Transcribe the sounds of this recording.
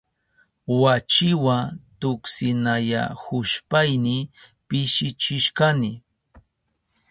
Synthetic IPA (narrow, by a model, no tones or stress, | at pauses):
wat͡ʃɪwat̪ʊksɪnaja̰hʊʃpajnɪ | pɪʃɪt͡ʃɪʃkanɪ